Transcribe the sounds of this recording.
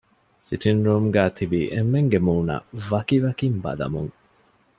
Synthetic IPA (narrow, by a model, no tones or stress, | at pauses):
siʈinɾuːmɡæːt̪ʰibiʔemːeŋɡemuːnɐ̰ʋɐkiʋɐkimbɐ̰lɐ̰mṵŋ